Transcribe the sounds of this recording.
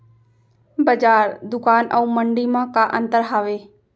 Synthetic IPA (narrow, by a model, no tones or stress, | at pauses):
bəd͡ʒaːɾd̪ʊkaːnʔə̰ũːməɳɖiːmãːkaːʔə̃nt̪əɾɦaːʋeː